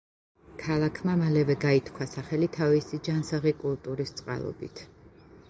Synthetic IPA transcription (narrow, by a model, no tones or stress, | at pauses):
kʰalˠakʰmamalɛvɛɡait̪ʰkʰwasaχɛlit̪ʰavisid͡ʒansaʁikʼulˠt̪ʼuɾist̪sʼqʼa̰lˠɔ̰bit̪ʰ